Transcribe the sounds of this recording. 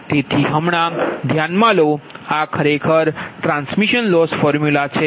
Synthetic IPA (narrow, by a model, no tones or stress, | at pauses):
t̪et̪ʰiɦəmɳ̃ãd̪ʱjanmãloakʰəɾekʰəɾʈɾãnsmiʃənlɔsfɔɾmjulat͡ʃʰe